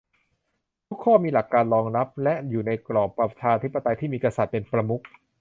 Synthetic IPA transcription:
t̪ʰu˦˥kʰːɔː˥˩miː˧la˨˩kːaː˧nlɔː˧ŋna˦˥p̚lɛ˦˥ʔjuː˨˩na˧jklɔː˨˩pɾa˧t͡ɕʰaː˧t̪ʰi˦˥pːa˧t̪a˧jt̪ʰiː˥˩miː˧ka˧sa˨˩t̪̚pe˧npɾa˧mu˦˥k̚

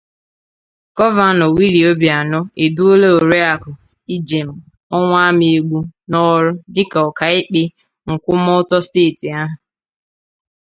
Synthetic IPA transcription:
ɡ̥ɔ˦va˨nɔ˨wi˦ɾi˨o˦bja˨nɔ˦e˨du˦o˦le˦o˨ɾe˦a˨kʊ˨ | i˦d͡ʒe˨m̩˨ | ɔ˦ŋʷa˦mi˨e˨ɡ͡bu˦nɔ˦ɾʊ˦dɪ˦ka˨ɔ˨ka˨ɪ˦k͡pɪ˦ | ŋ̩˨kʷʊ˦mɔ˦tɔ˦steː˦˨ti˨a˦ɦʊ˨

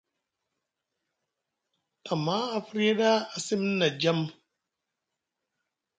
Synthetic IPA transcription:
a˨ma˦a˨fɾe˦da˦a˨si˦m˦na˨d͡ʒa˦m

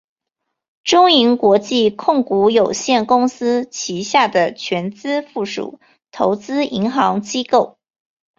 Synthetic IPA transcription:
ʈ͡ʂʊ˥ŋi˧˥nkwɔ˧˥t͡ɕi˥˧kʰʊ˥˩ŋku˧˥jo˨˩ʊɕjɛ˥˩nkʊ˥ŋs̩˥t͡ɕʰi˧˥ɕja˥˩d̪ə˩t͡ɕʰɥɛ˧˥nt͡sɹ̩˥fu˥˩ʂṵ˨˩ | t̪ʰo˧˥ʊt͡sɹ̩˥i˧˥ŋxɑ˧˥ŋt͡ɕi˥ko˥˩ʊ

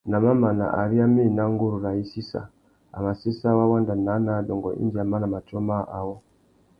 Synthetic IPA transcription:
na˨ma˦ma˨na̰˨ʔa̰˨ɾi˦a˦mi˦˨na˦ŋɡu˦ɾu˨ɾa˨i˦si˦sa̰˨ | a̰˨ma˨si˦sa˦wa˦wa˦nda˨na˨˦na˨˦dɔ˨ŋɡɔ˨ʔḭ˦nd͡ʒi˨a˨ma˦na˨ma˨t͡ʃɔ˦ma˦˨ʔa˨wɔ˦

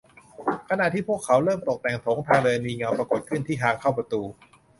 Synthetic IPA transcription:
kʰa˧na˨˩t̪ʰiː˥˩pu˥˩əkʰːa˩˦˥wɾɤː˥˩mt̪o˨˩k̚t̪ɛ˨˩ŋt̪ʰoː˩˦ŋt̪ʰaː˧ŋdɤː˧niː˧ŋa˧wpɾa˧ko˨˩t̪̚kʰɯ˥˩nt̪ʰiː˥˩ɦaː˨˧˥ŋkʰa˥˩wpɾa˧t̪uː˧

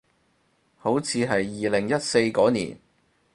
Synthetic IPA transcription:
ho˨˥wt͡sʰiː˨˧ɦɐ˨jːiː˨lɪ˨˩ŋjɐ˥t̚se˧jkɔː˨˥nḭː˨˩n

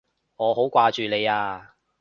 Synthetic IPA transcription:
ŋɔː˨˧ho˨˥wkʷaː˧t͡ʃyː˨le˨˧jaː˧

